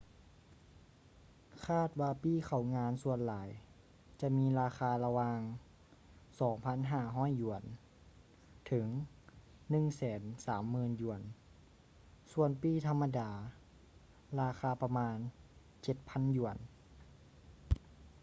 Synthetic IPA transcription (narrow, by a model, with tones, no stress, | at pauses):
kʰaː˥˩t̪̚waː˧piː˧˩xʰa˨˩wŋaː˧˥nsu˧ənlaː˨˦j | t͡ɕa˧ʔmiː˧˥laː˧xaː˧la˧waː˧ŋ | sɔː˨˩˦ŋpʰa˧˥˨nɦaː˧˥˩ɦɔː˧˥˨jːu˨˩ən | t̪ʰɯ˩˦ŋ | nɯ˧˨ŋsɛː˩˦nsaː˩˦mːɯː˧˥nju˧˩ən | su˧˩ənpiː˧˥˩t̪ʰa˧mːa˧daː˧˩ | laː˧xʰaː˧pa˧maː˧n | t͡ɕe˧˦t̪̚pʰa˧˥˨nju˧˩ən